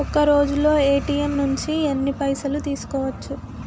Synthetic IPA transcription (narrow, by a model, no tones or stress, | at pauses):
ɔkɐɾo̞ːd͡ʒulːo̞ːe̞ːʈiːemnuɲt͡ʃiɐnːipɐjsɐlut̪iːsu̥kɔːʋɐt͡ʃːu